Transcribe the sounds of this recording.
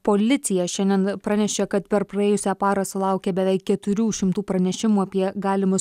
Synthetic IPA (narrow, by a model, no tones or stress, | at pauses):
poːlʲɪt̪sʲɪjɛʃʲɛnd̪ʲiɛnpɾɑnʲɛʃʲɛkɐt̪pʲɛɾpɾɐeːjʊsʲæːpɑːɾɐsʊlˠɐˑʊkʲɛbʲɛʋʲɛɪkːʲɛt̪ʊɾʲuːʃʲɪmt̪uːpɾɐnʲɛʃʲɪmuːɐpʲiɛɡɑːlʲɪmʊs